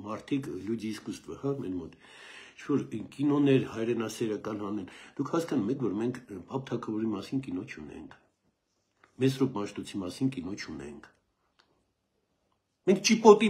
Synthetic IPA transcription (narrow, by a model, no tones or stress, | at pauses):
mɑɾt̪ʰikʰljud͡ʒiskust̪və̰hɑmɛnmɔt̪ | it͡ʃʰvɔɾkinɔnɛɾhɑjɾɛnɑsɛɾɑkɑnhɑnɛnd̪ukʰhɑskɑnumɛkʰvɔɾmɛŋkʰpɑp̚t̪ʰɑkʰɑvɔɾimɑsinkinɔt͡ʃʰunɛ̰ŋkʰ | mɛsrɔpmɑʃt̪ɔt͡sʰimɑsinkinɔt͡ʃʰunɛ̰ŋkʰ | mɛŋkʰt͡ʃipɔt̪i